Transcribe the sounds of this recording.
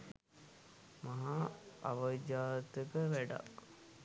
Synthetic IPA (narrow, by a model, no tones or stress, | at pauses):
maɦaa̰ʋəd͡ʒaːt̪əkəʋæɖa̰k